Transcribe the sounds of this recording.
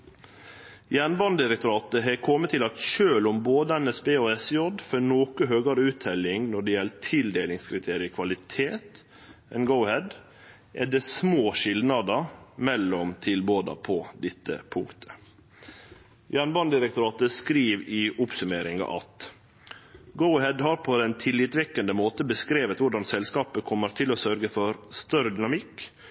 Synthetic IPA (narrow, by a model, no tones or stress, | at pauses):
jæːɳbɑnd̪ɪɾɛk̚t̪ʊɾɑːt̪əɦɛkʰɔmːət̪ʰːɪlɑt̪ʃøːlɔmboːd̪əɛnɛsbeːɔɛsjɔd̪fɔnoːkəɦøːɡɑɾəʉːt̪ʰːɛlɪŋnɔɖɛjɛlt̪ʰɪld̪eːlɪŋskʰɾɪt̪ʰeːɾɪəkʰʋɑlɪt̪ʰeːt̪ | ɛnɡəʊhɛd̪ | ʔɛd̪ɛsmoːʃɪld̪nɑd̪əmɛlːɔmt̪ʰɪlboːd̪ɑ̰pʰɔd̪ɪt̪ːə̰pʰʊŋkt̪ʰə̥ | jæɳbɑnd̪ɪɾək̚t̪ʊɾɑːt̪əskɾiːʋɪʔʊpsʉmeːɾɪŋɑ̰ʔɑ̰t̪ | ɡəʊhɛd̪ɦɑɾpʰɔd̪ɛnt̪ʰɪlɪt̪ʋɛkːənd̪əmoːt̪əbəskɾeːʋət̪ʋʊɖɑnsɛlskɑːpəkʰɔmːəɾt̪ʰɪlɔsœɾɡəfɔɾst̪œɾəd̪ʏnɑmɪkː